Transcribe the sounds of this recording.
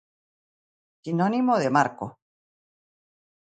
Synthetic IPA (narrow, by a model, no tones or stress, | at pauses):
sinonimoð̞emaɾko̰